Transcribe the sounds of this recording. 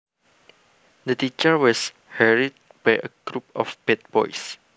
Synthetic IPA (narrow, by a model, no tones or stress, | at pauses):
dətit͡ʃəwɔs | hɛɹit̚ | bajʔə̰ɡ̥ɹup̚ɔ̰fbɛt̚b̥ɔ̰js